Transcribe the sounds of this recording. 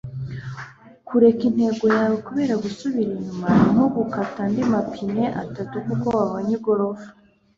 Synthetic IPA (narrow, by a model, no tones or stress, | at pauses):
kuɾe̞kin̥he̞ːɡo̞jaβikuβe̞ɾaɡusuβiɾiɲumain̥oɡukatandimapʰine̞ʔa̰tatukuko̞waβoɲiɡo̞ɾo̞vḁ